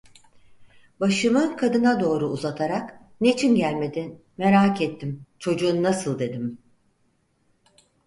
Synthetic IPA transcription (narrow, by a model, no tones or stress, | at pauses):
baʃɯmɯkʰad̪ɯnad̪o̞ːɾuːzat̪ʰaɾak | net͡ʃʰinɟælʲme̞d̪i | me̞ɾaːkɛt̪ʰːimt͡ʃʰo̞d͡ʒuːnːasɯlˠd̪e̞d̪im